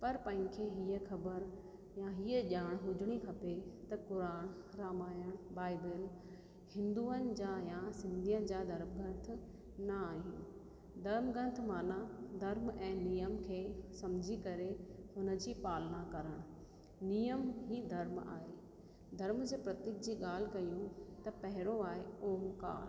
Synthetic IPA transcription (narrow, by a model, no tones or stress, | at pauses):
pɐɾpɐ̃ɦɪ̃kʰeɦiːəxʰɐbəɾ | jaɦiəʄaːɽ̃ɦʊd͡ʑʱɪɽ̃ikʰɐpet̪ɐkʊɾaːɽ̃ɾaːmaːjəɽ̃baːɪbɪl | hɪ̃nd̪uːənɪ̆d͡ʑaːjasɪ̃nd̪ʱijənɪ̆d͡ʑaːd̪ʱɐɾmɡɐ̃nt̪̆ʰ | nɐaːɦinɪ | d̪ʱɐɾmɡɐ̃nt̪ʰmaːnad̪ʱɐɾmɛ̃ːnijəmkʰeːsɐmd͡ʑʱikɐɾehʊnə̆d͡ʑipaːlnakɐɾəɽ̃ | nijəmɦid̪ʱɐɾma̰ːɦeː | d̪ʱɐɾmd͡ʑeːpɾɐt̪ɪk̚d͡ʑiːɠaːl̤ɪkɐjũt̪ɐpɐɦɪɾoaːɦeoːmka̰ːɾ